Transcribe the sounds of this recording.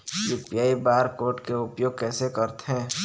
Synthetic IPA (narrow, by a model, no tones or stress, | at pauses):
juːpijaːibaːɾkoːʈkeʊpjoːɡ̚kɛːsekəɾt̪eɦɛ̃